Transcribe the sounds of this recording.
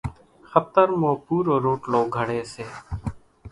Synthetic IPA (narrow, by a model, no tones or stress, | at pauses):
xət̪əɾmoːpuːɾoːɾoːʈloːɡʱəɽeːseː